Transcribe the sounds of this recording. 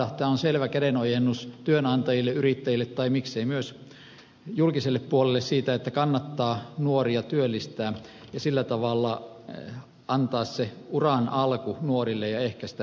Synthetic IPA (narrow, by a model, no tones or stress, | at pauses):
ɑht̪eɑonselʋækædenojenːust̪yønɑnt̪ɑjilːeyrit̪ːæjilːet̪tɑimikseimyøs | julkiselːeppuolelːessiːt̪æet̪ːækɑnːɑt̪ːɑːnuoriɑt̪yølːist̪æːjɑsilːæt̪ɑʋɑlːɑ | ɑnt̪ɑːsseurɑnʔɑlkunuorilːejɑehkæsi̥t̪æ